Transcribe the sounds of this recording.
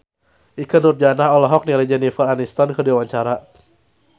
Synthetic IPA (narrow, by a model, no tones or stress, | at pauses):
ʔikənurd͡ʒanaɦɔlɔɦɔk̚nilɛd͡ʒɛnifəranist̪ankəduawaɲt͡ʃaɾa